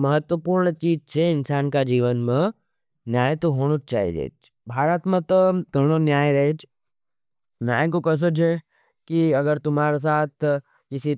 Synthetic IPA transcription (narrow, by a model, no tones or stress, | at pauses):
mɐɦət̪wʋəpuːɾɳt͡ʃiːd͡ʒt͡ʃʰeɪnsaːnkad͡ʒiːʋənmẽ | njaːj̃t̪oɦoːɽ̃ut͡ʃa̰ːɦḭd͡ʒḛːt͡ʃ | bʱaːɾət̪mẽt̪oɡʱɐɽ̃onjaːjɾɐɦet͡ʃ | njaːjkokɐs̬ot͡ʃɦe | kiɐɡəɾt̪ʊmɦaːɾes̬aːt̪ʰ | kɪsi